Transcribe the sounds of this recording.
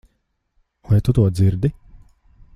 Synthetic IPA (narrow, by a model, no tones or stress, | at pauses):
ajɛt̪ut̪uɔd̪ziɾd̪i